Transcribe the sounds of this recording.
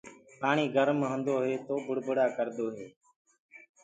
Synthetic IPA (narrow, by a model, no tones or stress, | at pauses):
paːɳiːɡəɾmɦə̃nd̪oːɦeːt̪oːbʊɽbəɽaːkəɾd̪oːɦeː